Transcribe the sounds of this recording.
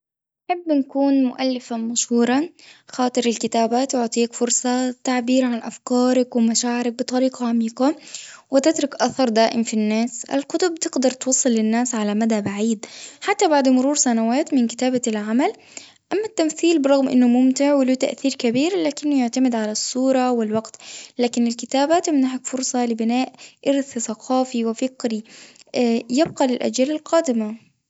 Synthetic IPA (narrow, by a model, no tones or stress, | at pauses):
nħabːnkuːnmʊʔalːɪfamaʃhuːɾˤɑxɑːt̪ˤɨɾɪlkɪt̪aːbaːt̪wʊʕt̪ˤiːkfʊɾsˤɑt̪aʕbiːɾʕanʔafkɑːɾˤɑkwɪmaʃaːʕɪɾɪk̚bɨt̪ˤɑɾiːqɑʕamiːqɑwɪt̪ɪt̪ɾʊkʔaθɑɾˤd̪aːʔɪmfinːaːsʔa̰lqʊt̪ʊb̚t̪ɪɡd̪ɑɾˤt̪wɑsˤːɨlːɪnːaːsʕalamad̪abaʕiːd̪ħat̪ːabaʕd̪mʊɾuːɾsanawaːt̪mɪnkɪ̥t̪aːbalʕamal | ʔamːat̪ːamθiːlbɪɾˤɑɣmʔɪ̰nːʊmʊmt̪ɪʕwɪluːt̪a̰ʔθiːɾkabiːɾlaːkɪnːʊjaʕt̪amɪd̪ʕalasˤːuːɾˤɑwɪlwaɡt̪laːkɪnɪlkɪt̪aːbat̪ɪmnaʕakfʊɾsˤɑlɪbɪnaːʔʔɪɾθθaqʰɑːfiwɪfɪqɾi | jɪb̚qɑlɪlʔa̰d͡ʒːaːlalqaːd̪ɪma